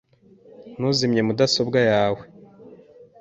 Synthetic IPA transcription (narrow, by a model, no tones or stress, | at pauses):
nuzimɲe̞mudasobɡajaːwe